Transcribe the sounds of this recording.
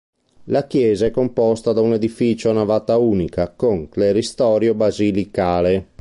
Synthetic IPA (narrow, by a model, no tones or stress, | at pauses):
lakjɛːzaɛkːompɔst̪ad̪auned̪ifit͡ʃonavat̪auːnikakoŋkleɾist̪ɔːɾjobazilikaːle